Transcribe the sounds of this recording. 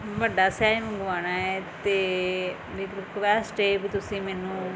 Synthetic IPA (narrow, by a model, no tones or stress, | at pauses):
ʋəɖaːsaːimə̃ɡʋaːnaːɛːt̪eː | lɪkɾɪkʋɛːsʈeːbit̪ʊsĩːmɛːnũː